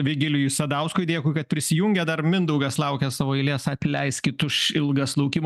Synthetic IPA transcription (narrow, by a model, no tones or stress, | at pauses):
ʋʲɪɡʲɪlʲɪjʊsʲɐd̪ɐʊskʊɪd̪ʲeːkʊːɪkɐt̪̚pʲɾʲɪsʲɪjuŋʲɡʲɛd̪ɐrmʲɪnd̪ɐʊɡɐslˠɐʊkʲɛsɑːʋoːɪlʲeːsɐpʲlʲɛɪskʲɪt̪ʊʃɪlˠɡɐslˠɐʊkʲim